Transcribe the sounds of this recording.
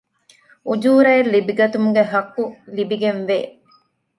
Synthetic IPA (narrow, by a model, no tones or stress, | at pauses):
ud͡ʒuːɾɐelːibiɡɐt̪umuɡeɦɐkːulibiɡenʋeː